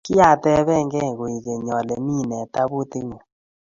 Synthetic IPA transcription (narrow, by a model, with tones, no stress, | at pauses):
kɪ˦ja˦˨tɛ˦βɛ˦˨ŋɡɛ˦˨ɡo˨i˨ɣe˨ɲɔ˨lɛ˨mi˦˨nɛ˨ta˦bu˦t̪e˦ŋu˨